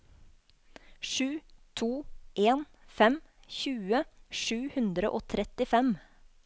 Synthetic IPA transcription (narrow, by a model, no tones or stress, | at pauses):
ʃʉːt̪ʰuːʔeːnfɛmçʉːəʃʉːhʉnd̪ɾəʔoːt̪ʰɾɛt̪ɪfɛm